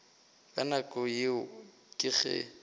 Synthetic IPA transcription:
kʼanakʼɔjɪʊ | kʼɪɣɛ̰

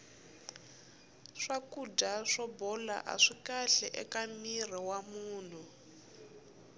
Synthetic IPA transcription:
ʂakudaʂɔbɔla̰ʔa̰ʂikaɬɛʔɛkamir̤iwamuːn̤u

